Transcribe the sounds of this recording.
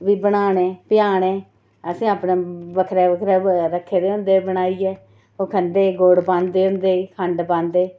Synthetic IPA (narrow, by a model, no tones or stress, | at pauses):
ʋiːbəɽaːɳeːpɪjaːɳẽː | əsĩːaːpnẽːʋəkʰɾɛːʋəkʰɾɛːɾəkʰːeːd̪eːʊ̃nd̪eːbəɽ̃aːiːɛː | oːkʰənd̪eːɡoːɽpãːnd̪eːʊ̃nd̪eːiːkʰəɳɖpãːnd̪eː